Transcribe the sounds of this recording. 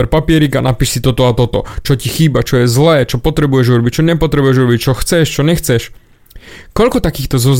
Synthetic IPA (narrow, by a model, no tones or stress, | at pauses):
ɛɾpapɪɛɾikanapiːʃsit̪ɔt̪ɔat̪ɔt̪ɔ̰t͡ʃɔcixiːbat͡ʃɔjɛzlɛːt͡ʃɔpɔt̪ɾɛbujɛʒuɾɔbict͡ʃɔɲɛpɔt̪ɾɛbujɛʒuɾɔbic̚t͡ʃɔxt͡sɛʃt͡ʃɔɲɛxt͡sɛʃ | kɔʎkɔt̪akiːxt̪ɔzɔz